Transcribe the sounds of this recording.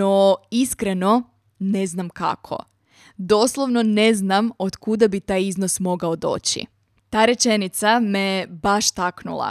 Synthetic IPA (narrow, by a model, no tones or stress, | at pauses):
oiskɾeno̞ | ne̞znamka̰kʰo̞̰ | d̪o̞slˠoʋno̞ne̞znamod̪kud̪abit̪aːjiznosmo̞ɡaod̪o̞̰ːt͡ɕḭ | t̪aːɾe̞t͡ʃe̞nit̪samebaʃt̪aknṵlˠa̰